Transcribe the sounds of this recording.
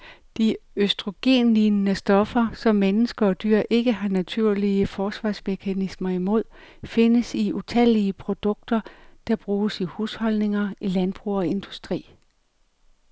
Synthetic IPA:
d̥iøsd̥ʁo̝ɡ̥e̝̰nlinnəsd̥ɒ̽fɐsɒ̽mːenəsɡ̥ɐ̽ːd̥yɐ̰ʔe̝ɡ̥əɦɑ̈næt͡sʰuɐ̰liəfɒːsʋɑ̈sme̝kʰænismɐimo̝ð̞̰ˠfe̝nəsiut͡sʰæl̰iəpʰʁo̝d̥ɔ̽ɡ̥̚d̥ɐd̥ɑ̈b̥ʁuːsihuːshɒ̽lne̝ŋɐilænb̥ʁuːɒ̽e̝nd̥usd̥ʁḭː

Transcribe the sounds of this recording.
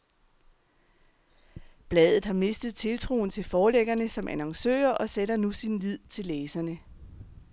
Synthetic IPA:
b̥lɛðˠð̩ˠhɑ̈me̝sd̥ð̞̩ˠt͡sʰe̝lt͡sʰʁo̝̰ːn̩t͡sʰe̝lfɒːleɡ̥ɐnəsɒ̽mʔænɑŋsø̰ːɐʔɒ̽seɾɐnusinlið̰ˠt͡sʰe̝lːeːsɐnə

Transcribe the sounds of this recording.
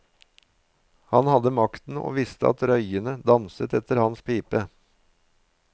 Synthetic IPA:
hɑnhɑd̪əmɑkt̪n̩ʔo̰ːʋɪst̪əʔɑ̰t̪ɾœʏənəd̪ɑnsət̪ɛt̪əɾhɑnspʰiːpə

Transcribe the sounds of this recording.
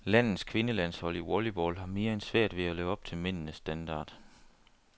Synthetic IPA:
læn̰ð̩ˠskʰʋe̝nəlæn̰shɒ̽l̰iwɒlibɒːlɦɑ̈me̝ːɐensʋæɐ̰d̥ʋe̝æløʊɒ̽b̥̚t͡sʰe̝lmen̰n̩əsːd̥ænd̥ɑ̰̈ːd̥

